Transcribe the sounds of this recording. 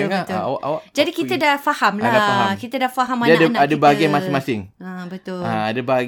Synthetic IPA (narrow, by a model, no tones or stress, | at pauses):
əat̪a̰wa̰ʔʔa̰waʔd͡ʒadikit̪adafahamlaadafaɦamkit̪adafaɦamːadadəaadəbaɡɛmasɪŋmasɪŋabət̪ʊaadəbaɡ